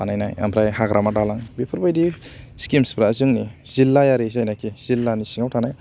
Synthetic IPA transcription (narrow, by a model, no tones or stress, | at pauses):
anajnaja̰mpʰɾajhaɡɾʔamadalaŋbipʰɯɾbajdiskimspɾaːzɯŋniz̥ilːajaɾez̬ajnajkʰiz̥ilːanisiŋawtʰanaj